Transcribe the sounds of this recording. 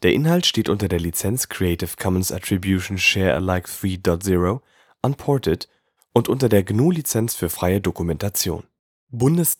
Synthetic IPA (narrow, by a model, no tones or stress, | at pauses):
d̥eːɐʔɪnhaltʃteːtʔʊntɐdeːɐlit͡sɛnt͡skʁ̥iɛɪtɪfkʰɔmənsa̰tʁ̥ibjuːʃn̩ʃɛːɐə̰laɪkθʁiːdɔtz̥iʁo | ʔãnpʰɔɐtʰət | ʔʊntʔʊntɐdeːɐɡnuːlit͡sɛnt͡sfyːɐfʁ̥aɪədokumɛntat͡sjo̰ːn | bʊndəs